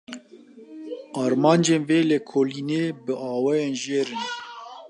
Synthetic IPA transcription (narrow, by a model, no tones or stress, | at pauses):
ɑːɾmɑːnd͡ʒeːnveːlekʰoːliːneːbɨʔɑːwɛjeːnʒeːɾɨn